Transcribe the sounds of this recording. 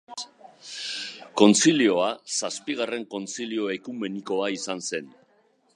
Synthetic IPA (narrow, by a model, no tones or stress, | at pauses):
ko̞nt͡silio̞asaspiɣ̞are̞ŋko̞nt͡silio̞ekume̞niko̞aisanse̞n